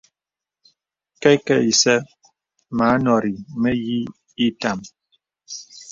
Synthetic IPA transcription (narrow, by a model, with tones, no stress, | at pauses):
kɛ˦kɛ˦˨i˨sɛ˦ | ma˨˦nɔ˨ɾi˨mɛ˦ji˦ | i˦ta˨m